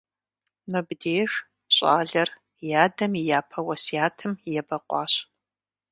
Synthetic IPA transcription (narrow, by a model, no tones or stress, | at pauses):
mɨbdeːʒ | ɕʼa̰ːɮɐr | jaːdɐmijaːpʰɐwɐsjaːtʰɨmjɛbɐqʷɑːɕ